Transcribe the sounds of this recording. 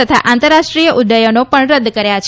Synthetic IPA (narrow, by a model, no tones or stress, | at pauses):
ət̪ʰa̰ʔant̪əɾːaʂʈɾijəʔud̪əjonopəɳɾəd̪ːkəɾjat͡ʃʰ